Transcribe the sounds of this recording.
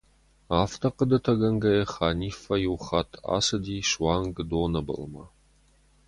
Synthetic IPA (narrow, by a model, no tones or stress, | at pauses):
aːftʰɐqədɐtʰɐɡɐŋɡɐjɛχaːniːfɐjɪwχatʰa̰ːsɐdiːʃwɑːŋɡdoːnɐbɐ̰lmɐ̰